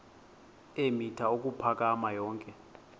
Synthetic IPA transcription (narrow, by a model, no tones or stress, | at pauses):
emitʰaok̬ʼupʰak̬ʼamajɔːŋkʼɛ